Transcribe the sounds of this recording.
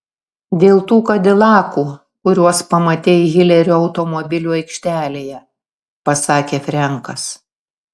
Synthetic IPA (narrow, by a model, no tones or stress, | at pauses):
d̪ʲeːlˠt̪uːkɐd̪ʲɪlˠɑːkuː | kʊɾʲuɔspɐmɐt̪ʲeːjɣʲɪlʲɛɾʲuɒʊt̪ɔmɔbʲɪlʲuːɐɪkʃʲt̪ʲæːlʲeːjɛ | pɐsɑːkʲeːfʲɾʲɛŋkɐs